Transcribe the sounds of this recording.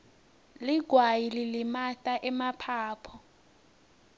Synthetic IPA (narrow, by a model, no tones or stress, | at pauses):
liɡ̥ʱwajililimatʼaʔɛmapʰaːpʰɔ